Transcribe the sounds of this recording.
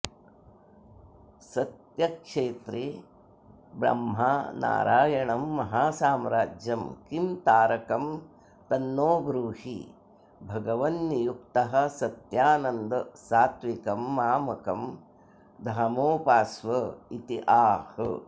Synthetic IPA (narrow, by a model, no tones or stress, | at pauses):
sɐt̪jɐkʂeːt̪ɾi | bɾɐ̰mɦana̰ːɾʔa̰ːjɐɳɐmːɐɦaːsaːmɾaːd͡ʒjɐmkimt̪aːɾɐkɐm | t̪ɐnːoːbɾuːɦḭ | bʱɐɡɐʋɐnːijukt̪ɐɦɐ̆sɐt̪jaːnɐnd̪ɐsaːt̪ʋikɐmːaːmɐkɐm | d̪ʱaːmoːpaːsʋɐit̪iʔaːhɐ̰